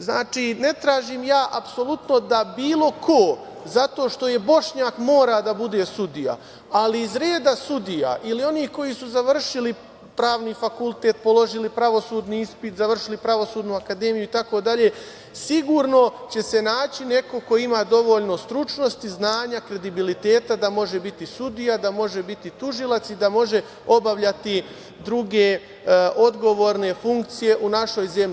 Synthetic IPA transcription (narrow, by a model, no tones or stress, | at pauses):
znaːt͡ʃiːne̞t̪ɾaːʒiːmjaːʔapso̞lˠut̪no̞d̪abiːlˠo̞kʰo̞ | zat̪o̞ːʃt̪o̞je̞bo̞ʂɲaːkmo̞ːɾad̪abud̪e̞ːsud̪ija̰ | aliːzɾe̞ːd̪asud̪ija̰ʔilio̞niːhko̞jisuzaʋr̩ʃili | pɾaːʋnifakulˠt̪e̞ːt̪̚po̞lo̞ʒilipɾaʋo̞suːd̪niispit̪zaʋr̩ʃilipɾaʋo̞suːd̪nuakad̪e̞ːmijuit̪ako̞d̪aʎe̞ː | siɡuːɾno̞t͡ɕe̞se̞naːt͡ɕine̞ko̞ko̞imaːd̪o̞ʋo̞ːʎno̞st̪ɾut͡ʃno̞st̪iznaːɲakɾe̞d̪ibilit̪e̞ːt̪ad̪amo̞ʒe̞bit̪isud̪ijad̪amo̞ʒe̞bit̪it̪uʒilˠat̪sid̪amo̞ʒe̞ | o̞baʋʎat̪i | d̪ɾuɡe̞ | ʔo̞d̪ɡo̞ʋo̞ːɾne̞fuŋk̚t̪sije̞ʔunaʃo̞jze̞mʎi